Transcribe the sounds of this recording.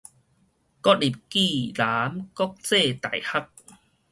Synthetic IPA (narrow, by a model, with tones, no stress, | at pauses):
kɔ˦˥t̚li˨˩p̚ki˥˧˨la˨˦mkɔ˦˥k̚t͡se˥˧t̪a˨˩jha˦k̚